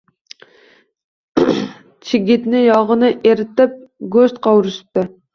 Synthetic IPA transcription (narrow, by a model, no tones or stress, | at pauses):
t͡ʃʰɪɡʲit̪nɪjɑʁənɨʔeɾɪt̪ɪp̚ɡost̪qʰɑwɾɨʃi̥p̚t̪ɪ